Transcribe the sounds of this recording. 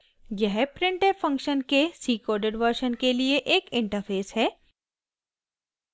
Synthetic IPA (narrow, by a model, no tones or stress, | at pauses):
jɛɦpɾɪ̃ɳʈefɐ̃ŋkʃənkesiːkɔːɾɖeɖʋəɾʃənkelieʔeːkɪ̃ɳʈəɾpʰeːsɦɛː